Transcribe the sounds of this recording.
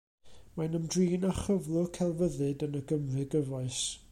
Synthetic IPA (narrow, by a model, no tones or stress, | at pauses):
manəmdriːnaχəvlˠʊkʰɛlˠvəðɨdənəɡəmrɨɡəvɔɨs